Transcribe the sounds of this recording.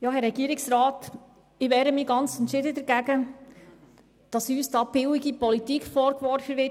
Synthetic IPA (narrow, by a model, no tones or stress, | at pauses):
jɑːɦɛɾɾɛɡ̥iːɾɪksɾɑːt | ɪʋɛːɾəmiːɡɑnt͡sɛntʃɪdəd̪ɛɾɡæɡə | d̥ɑsyːsd̥ɑːb̥ɪwɪɡipɔlit̪ikfɔɾkʋɔɾfəʋɪ